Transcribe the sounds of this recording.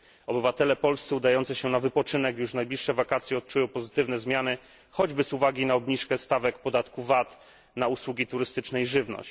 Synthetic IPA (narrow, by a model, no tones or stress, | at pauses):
ɔbɘvat̪ɛlɛpɔlst̪sɛud̪ajɔnt̪sɘɕɛnavɘpɔt͡ʂɘnɛkjuʂnajblʲiʂːɛvakat̪sʲjɛɔt̪̚t͡ʂujɔ̃w̃pɔzɘt̪ɘvnɛzmʲjanɘ | xɔd͡ʑbɘzuvaɡʲinaɔbɲiʂkɛst̪avɛk̚pɔd̪at̪kuvat̪ | nauswuɡʲit̪uɾɘst̪ɘt͡ʂnɛiʐɘvnɔ̰ɕt͡ɕ